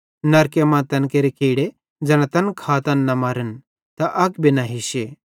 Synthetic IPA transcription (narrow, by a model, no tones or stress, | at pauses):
nɐɾkemãt̪ɐnkeɾikiːɽe | d͡zɐnat̪ɐnkʰaːt̪ɐnːɐmaɾən | t̪ɐʔɐkbinaɦiɕe